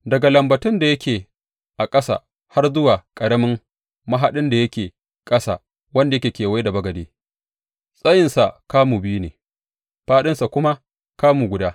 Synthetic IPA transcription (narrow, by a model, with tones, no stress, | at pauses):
dɐ˨ɡa˨lɐ˨mbɐ˨tʊ˦nda˨jɐ˦kʲeː˨ | ʔa˨kʼɐ˦sa̰˨ | ha˦rzʊ˦waː˨kʼɐ˨ɽɐ˦mɪ˦ŋ | mɐ˦ɦa˦ɗɪ˦nda˨jɐ˦kʲeː˨ | kʼɐ˦sa̰˨ | wɐ˦nda˨jkʲeː˨kʲeː˨wa˦da˨bɐ˦ɡɐ˨deː˦ | sʼɐ˦jɪ˨nsa˨kaː˦muː˨bi˦nḛː˨ | ɸaː˦ɗɪ˦nsa˨kʷʊ˦ma˦ | kaː˦muː˨ɡʷʊ˨daː˦